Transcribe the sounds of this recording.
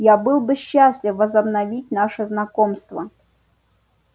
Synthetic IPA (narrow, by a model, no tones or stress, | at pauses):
jabɨlˠbɨɕːasʲlʲɪfvəzɐbnɐvʲit̚ʲnaʂɨznɐkomst̪və